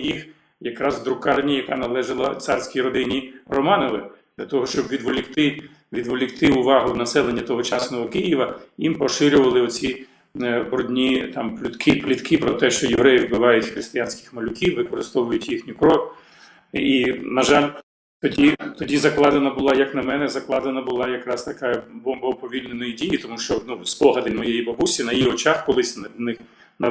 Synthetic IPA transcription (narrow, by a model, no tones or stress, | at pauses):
jix | jɐkɾɑzd̪ɾʊkɑrnʲijɐkɑnɐlˠɛʒɪlˠɐ̰t̪sɑrsʲkʲijɾɔd̪ɪnʲirɔmɑnɔʋɪd̥̪lʲɐt̪ɔɦɔʃt͡ʃɔbʋʲid̪ʋɔlʲɪkt̪ɪ | ʋʲid̪ʋɔlʲɪkt̪ɪʊʋɑɦʊnɐsɛlˠenʲːɐt̪ɔɦɔt͡ʃɑsnɔɦɔkɪjiʋɐjimpɔʃɪɾʲʊʋɐlˠɪɔt͡sʲi | bɾɔdʲnʲit̪ɑmplʲʊt̪kʰɪplʲit̪kɪpɾɔt̪ɛʃt͡ʃɔjeʋɾɛjɪʋbɪʋɑjʊtʲxɾɪst̪ɪjanʲsʲkʲɪ̥xmɐlʲʊkʲiwːɪkɔɾɪst̪ɔʋʊjʊtʲjixnʲikɾɔk | inɐʒɑlʲ | t̪ɔdʲit̪ɔdʲizɐklˠɑd̪enɐbʊlˠɑjɐknɐmɛnɛzɐklˠɑd̪enɐbʊlˠɑjɐkɾɑst̪ɐkɑjɐbɔmbɔpɔʋʲilʲnenɔjidʲijit̪ɔmuʃt͡ʃɔnuspɔɦɐd̪ɪmɔjejibɐbusʲinɐjiɔt͡ʃɑxkɔlˠɪsʲnnɪx | nɐ